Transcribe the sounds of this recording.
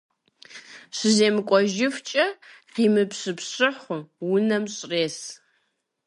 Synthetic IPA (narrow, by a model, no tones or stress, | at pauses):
ɕɨzeːmɨkʷʼɔʒɪft͡ʃʼɐqiːmɨpɕɨpɕɨħʷʊwʊnɐmɕʼreːs